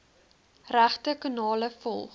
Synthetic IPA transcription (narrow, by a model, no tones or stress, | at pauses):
ræχtəkənɑːləfɔ̰lˠχ